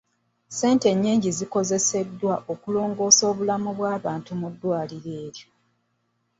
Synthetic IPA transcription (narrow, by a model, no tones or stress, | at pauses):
se̞ːnte̞ɲːiːɲɟiziko̞ze̞se̞dːwaʔo̞kulo̞ːŋɡo̞ːso̞ːβulamuβwaːβaːntumudːwaːliɾe̞ːɾjo